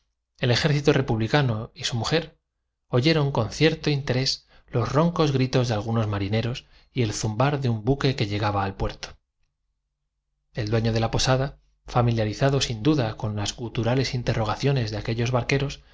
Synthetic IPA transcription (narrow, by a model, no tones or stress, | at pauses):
e̞le̞xe̞ɾθit̪ore̞puβlikano̞isumuxe̞ɾ | o̞ʝe̞ɾo̞ŋko̞n̟θje̞ɾt̪oint̪e̞ɾe̞s | lo̞zro̞ŋko̞zɣɾit̪o̞zðe̞alɣ̞uno̞zmaɾine̞ɾo̞s | ie̞lθumbaɾðeumbuke̞ke̞ʎe̞ɣ̞aβaːlpwe̞ɾt̪o̥ | e̞ld̪weɲo̞ð̞e̞lapo̞saða | familjaɾiθaðo̞sind̪uðako̞nlaskult̪uɾale̞sint̪e̞rʔo̞ɣ̞aθjo̞ne̞zðeake̞ʎo̞zβaɾke̞ɾo̞s